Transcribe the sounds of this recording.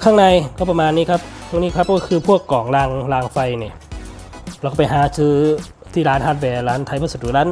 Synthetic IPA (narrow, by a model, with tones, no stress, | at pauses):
kʰaː˥˩ŋnaː˧jko˧˩pːa˧maː˧nːiː˧˥˨kʰa˦˧˥p̚ʰːŋniː˧˨kʰa˦˥p̚kɔː˧˩kʰɯː˧pʰu˥˩əkːɔː˩ŋlaː˧ŋlaː˧ŋfa˧jniː˧˩ | lɛ˧kɔ˧˩pjɦaː˨˦sɯː˧˥ | t̪ʰiː˧˨laː˨˧˥nha˧˩bɛː˨˩laː˨˧˥nt̪ʰa˧˨pʰaː˧˩su˨˩t̪̚ːuː˨˩laː˧˥n